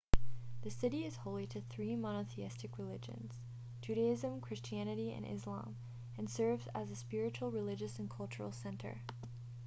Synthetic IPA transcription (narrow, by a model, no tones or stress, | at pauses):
ðɨsɪɾiɨz̥hoʊlˠiɾɨθɹimɑñəθiɪstɨkɹɨlɪd͡ʒɨ̰̃nz̥ | d͡ʒ̥ʉɾɨɪzɨ̃mkʰɹ̥ɪst͡ʃiænɨɾiɨ̰̃nʔɪ̰zlɑ̰̃m | ɨ̃nsɜ˞vzəzɨspɪɹɨt͡ʃul̩ˠɹɨlɪd͡ʒɨsɨ̃nkʰʌlˠt͡ʃə̰˞l̩ˠsɛ̃ntʰə̰˞